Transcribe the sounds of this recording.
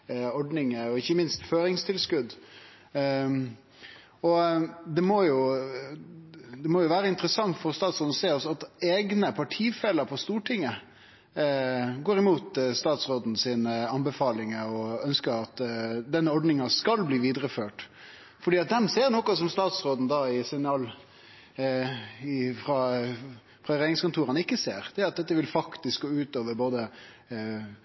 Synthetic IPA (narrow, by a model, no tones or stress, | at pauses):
ɔɖnɪŋəɔɪçːəmɪnst̪føːɾɪŋst̪ʰɪlskʉd̪ | ɔd̪ɛmɔjʊ | d̪ɛmoːjʊʋæːɾəɪnt̪əɾəsɑŋt̪fɔɾɔst̪ɑːt̪sɾoːd̪n̩ɔseːɔsɔɑt̪eːɡnəpʰɑʈʰiːfɛlːəɾpʰɔst̪uːʈʰɪŋːə | ɡoːɾɪmuːt̪st̪ɑːt̪sʁoːd̪n̩siːnəɑnbəfɑːlɪŋəɔœnskəɾɑt̪d̪ɛnːəɔɖnɪŋɑskɑlbliːʋiːd̪ɾəføːʈ | fɔɖiːɑt̪̚d̪ɛmseːɾnɔkʊsɔmst̪ɑːt̪sɾoːd̪n̩d̪ɑɪsɛnɑːl | ɪfɾɑ | fʁɑːɾeːnɪŋskʊnt̪ʰuːɾənɪkːəsḛːɾd̪̥ɛæɾɑt̪̚d̪ɛt̪ːəʋɪlfɑkt̪ɪskɡoːʉːt̪oːʋəɾboːd̪ə